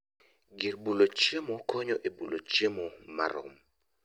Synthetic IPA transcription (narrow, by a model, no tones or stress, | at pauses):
ɡɪɾbulot͡ʃemokʰɔɲɔʔebulot͡ʃemɔma̰ɾʊ̰m